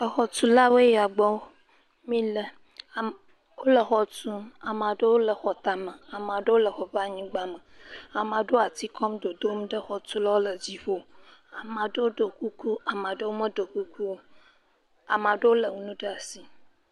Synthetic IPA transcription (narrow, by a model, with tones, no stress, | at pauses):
ə˨xɔ˨tu˦la˦wo˦e˦ja˨ɡ͡bɔ˦ | mĩ˦lə˦˨ | wo˦lə˨xɔ˨tu˦a˨mã˨ɖə˦wo˦lə˨xɔ˨t̪a˨mə˨a˨m˨ã˨ɖə˦wo˦lə˨xɔ˨ɸa˦ɲĩ˦ɡ͡ba˦mə̃˨a˨mã˨ɖo˦a˨t̪i˦kʰɔ˦mɖo˨d̪o˦m˦ɖə˦xɔ˨tu˦la˦wo˦lə˨d͡ʑi˦ɸo˦a˨mã˨ɖə˦wo˦ɖo˨ku˦ku˦a˨mã˨ɖə˦wo˦mə˦ɖo˨ku˦ku˦wo˦ | a˨mã˨ɖə˦wo˦lə˨ŋu˨nũ˦ɖa˨si˨